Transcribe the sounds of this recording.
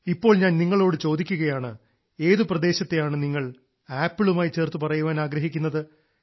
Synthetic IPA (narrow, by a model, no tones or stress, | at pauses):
ipːo̞ːɭɲaːnniŋːɐɭo̞ːɽɨt͡ɕo̞ːd̪ikʲːuɣɐjaːɳɨ | e̞ːðɨprɐd̪e̞ːɕɐt̪ːejaːɳɨniŋːɐɭ | aːpːiɭumaːjit͡ɕe̞ːrt̪ːɨpɐrɐjuʋaːnaːɡɾɐɦikʲːunːɐðɨ